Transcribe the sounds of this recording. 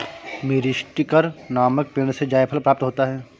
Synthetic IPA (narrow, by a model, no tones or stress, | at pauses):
meːɾiʃʈɪkəɾnaːmək̚peːɽ̃sed͡ʒaːjpʰəlpɾaːp̚t̪ɦoːt̪aɦɛː